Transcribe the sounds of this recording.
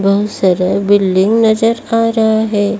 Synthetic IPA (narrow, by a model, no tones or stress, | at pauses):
bɐɦʊt̪sɐɾəɦbɪlɖɪ̃ŋɡnɐd͡ʒəɾaːɾɐɦaɦɛː